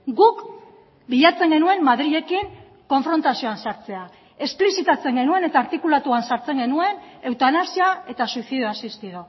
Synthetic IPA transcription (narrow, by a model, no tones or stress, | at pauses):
ɡuk | biʎat͡se̞ŋɡe̞nue̞mːaðɾiʎe̞kiŋ | ko̞ɱfɾo̞nt̪asio̞ansaɾt͡se̞a | e̞splisit̪at͡se̞ŋɡe̞nue̞ne̞t̪aːɾt̪ikulat̪uansaɾt͡se̞ŋɡe̞nue̞ne̞wt̪anasiae̞t̪asuiθiðio̞asist̪iðo